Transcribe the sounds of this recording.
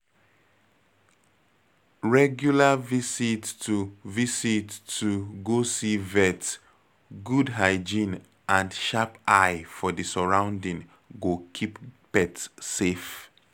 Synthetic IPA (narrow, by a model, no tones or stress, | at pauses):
ɹɛɡjulavisitːuvisitːuɡosivɛt | ɡudɦaɪd͡ʒĩn | ʔãndʃapajfɔdisɔɹãʊ̃ndĩŋ | ɡokʰippɛtsef